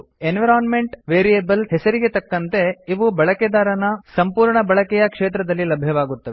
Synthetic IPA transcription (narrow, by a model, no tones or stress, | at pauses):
enʋɐɾaːnme̞ɳʈʋeːɾijeːbɐlɦesɐɾiɡet̪ɐkːɐnt̪e̞iʋubɐɭɐked̪aːɾɐnɐsɐmpuːɾɳɐbɐɭɐkɛjɐkʂeːt̪ɾɐd̪ɐlːilɐbʱjɐʋaːɡut̪ːɐʋe